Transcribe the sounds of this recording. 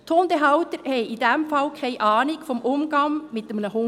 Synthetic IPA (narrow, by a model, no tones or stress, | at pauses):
t̪hondeɦɑwt̪əɾhɛɪidɛmfɑlkʰɛɪʔɑːnɪkfɔmʔʊmɡ̥ɑŋmɪt̪əmnəhʊ